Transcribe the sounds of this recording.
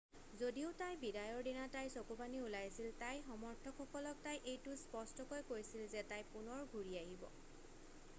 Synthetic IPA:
zodiʊtajbidajɔɹdinatajsokubaniulajsiltajxɔmɔɹtʰɔkʰxɔkɔlɔk̚tajʔejtuspɔstɔkɔjkoɹisilzɛtajpunɔɹɡʱuɹiaɦibɔ̰

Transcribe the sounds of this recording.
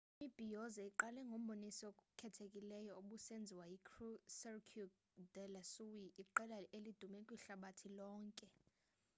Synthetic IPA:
imib̥ʱijɔzaiǃalɛŋɡʱom̩ɓonisɔk̬ʼkʰɛtʰekʼilɛjɔoɓusend͡zʱiwajikʰrusɛrkʰu | dɛlasuwiʔiǃɛlaelid̥ʱumɛkʼwiɬaɓatʰilɔːŋkʼɛ

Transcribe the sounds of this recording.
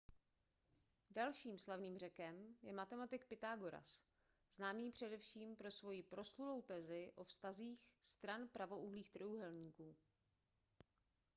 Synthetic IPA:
dalʃiːmslavniːmr̝ɛkɛmjɛmat̪ɛmat̪ɪk̚pɪt̪aːɡo̞ɾa̰s | z̥naːmiːpr̝̥ɛdɛfʃiːmpɾo̞svo̞jɪpɾo̞slulo̞wt̪ɛːzɪʔo̞fst̪aziːxst̪ɾanpɾavo̞ʔuɦliːxt̪rojuɦɛlɲiːkuː

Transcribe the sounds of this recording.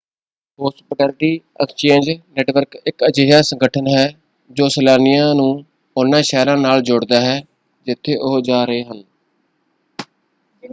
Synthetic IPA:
poːsbəɖəlʈiː | ə̰kst͡ʃẽːnd͡ʒnɛːʈʋəɾkɪkəd͡ʒəjaːsə̃ŋɡəʈʰənɦɛː | d͡ʒoːsəlaːnɪjãːnũː | ʊnãːʃɛːɾãːnaːld͡ʒʊɽd̪aːɦɛː | d͡ʒɪt̪ʰːeːʔʊɦd͡ʒaːɾəeːɦən

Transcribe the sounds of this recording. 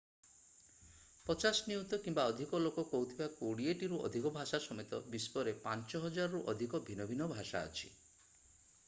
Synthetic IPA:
pɔt͡ʃasɔniut̪ɔkimbaɔd̪ʱikɔlokɔkɔɦut̪ʰibakoɽieʈiɾuɔ̰d̪ʱikɔbʱasasɔmet̪ɔ̰bispɔɾepant͡ʃɔɦɔd͡ʒaɾɔɾuʔɔd̪ʱikɔbʱinɔbʱinɔbʱaʃa̰ɔ̰t͡ʃʰi̥̰

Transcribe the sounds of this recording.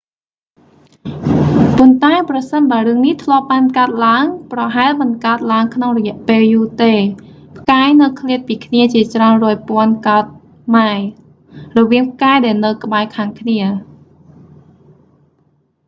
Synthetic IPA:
pʊnt̪aɛprɑsənɓaəɾɨəŋniht̪ʰlŏəp̚ɓaːnkaət̪̚laəŋprɑɦaɛlmɨnkaət̪̚laəŋkʰnoŋrɔjɛ̆əʔpeːljuːt̪eːpʰkaːjnɨwkʰliət̪̚piːkʰniət͡ɕiət͡ɕraənrɔːjpŏənkaət̪̚ | maɛ | rɔʋiəŋp̚ʰkaɛjɗaɛlnɨwkə̆ɓaɛkʰaːŋkʰniə

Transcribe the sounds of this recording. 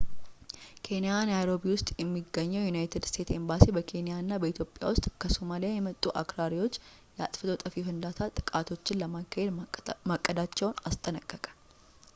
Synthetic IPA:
kʰe̞nijanajɾo̞biwʊst̪ʼjɛmːiɡːəɲːɛwjunajt̪ʰɨd̪st̪ʰe̞t̪embasibəkʰe̞nijanːabəit̪ʰjo̞pʼːja̰wʊst̪ʼkʰəso̞malijajɛmət̪ʼːuʔa̰kɾaɾiwo̞t͡ʃː | jɛa̰t̪ʼfɨt̪ot̪ʼəfifɨnd̪at̪ʰat̪ʼɨ̥kʼat̪ʰo̞t͡ʃːɪnləmakːahed̪makʼːəd̪at͡ʃːɛwʊnast̪ʼənəkʼːəkʼḁ

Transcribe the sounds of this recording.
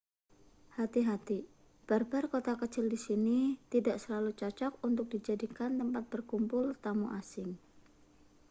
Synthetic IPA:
hat̪iɦat̪i | b̥arb̥arkot̪akət͡ʃɪldisinit̪idaʔsəlalut͡ʃɔt͡ʃɔk̚unt̪ʊk̚d̥id͡ʒadikant̪əmpat̪̚b̥ərkumpʊlt̪amuʔasɪŋ

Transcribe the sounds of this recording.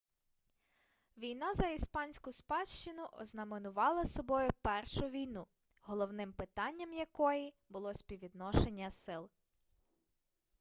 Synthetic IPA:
ʋʲijn̪ɑzɐispɑnʲsʲkʊspɑʃt͡ʃɪnʊʔɔ̰znɐmenʊʋɑlˠɐsɔbɔjʊpɛrʃʊʋʲijnu | ɦɔlˠɔwnɪmpɪt̪ɑnʲːɐmjɐkɔji | bʊlˠɔsʲpʲiʋʲid̪nɔʃe̞nʲːɐsɪlˠ

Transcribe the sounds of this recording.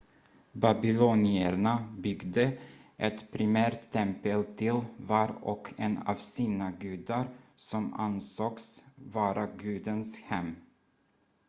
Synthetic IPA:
babɪlunɪəɳabʏɡd̪əʔɛt̪pʰɾɪmæːɾʈ̪ʰːɛmpəlt̪ʰɪlvɑɾɔ̰kʰɛnɑ̰vsiːnaɡʉ̟ːd̪aɾsɔma̰nsoːksvɑːɾʔaɡʉ̟ːd̪ənshɛmː

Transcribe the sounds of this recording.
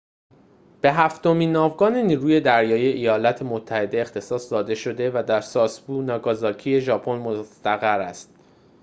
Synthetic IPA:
b̥e̞ɦæft̪o̞miːnːɒːvɡɒːneniːɾuːje̞d̪æɾjɒːjieʔejɒːlæt̪ʰemot̪ʰːæhe̞d̪e̞ːxt̪ʰe̞sɒːsd̪ɒːd̪e̞ʃo̞d̪e̞væd̪æɾsɒːsbuːnɒːɡɒzɒːcʰije̞ʒɒːpʰo̞nmost̪æɣæɾæ̰st̪̚

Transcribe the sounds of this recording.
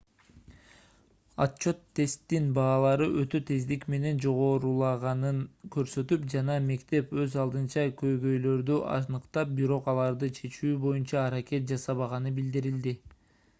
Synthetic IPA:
ɑtt͡ʃːo̞t̪ʰːe̞st̪ːinbɑːlˠɑɾɯʔø̞t̪ø̞t̪ʰe̞zd̪ikme̞ne̞nd͡ʒo̞ʁo̞ːɾulˠɑʁɑnɯŋkø̞ɾsø̞t̪ypd͡ʒɑnɑme̞kt̪e̞pø̞zɑlˠd̪ɯnt͡ʃɑkʰø̞jɡø̞jlø̞ɾd̪yʔɑ̰nɯqt̪ɑp̚biɾo̞qɑlˠɑɾd̪ɯt͡ʃʰe̞t͡ʃyːbo̞junt͡ʃɑːɾakʲe̞t̪̚d͡ʒɑsɑβɑʁɑnɯbild̪iɾild̪i

